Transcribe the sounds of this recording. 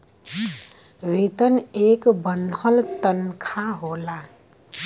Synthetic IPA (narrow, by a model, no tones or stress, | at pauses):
ɾit̪ənekbənəlt̪ənkʰaɦola